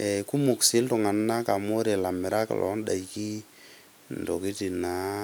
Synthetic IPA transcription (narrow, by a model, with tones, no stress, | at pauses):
e˨ku˦mu˨ksɪ˦ltʊ˨ŋa˨nna˦ka˨mo˦ɾe˨la˨mɪ˨ɾa˦ka̰˨lʔɔ̰˨˦nda̰˨i˨ki˦ | ndo˨ki˦ti˨na˨˦